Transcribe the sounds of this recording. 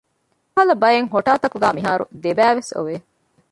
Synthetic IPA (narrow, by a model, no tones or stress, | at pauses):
ɐlɐbɐjeŋɦoʈaːt̪ɐkuɡæːmiɦaːɾṵd̪ebæːʋeso̰ʋe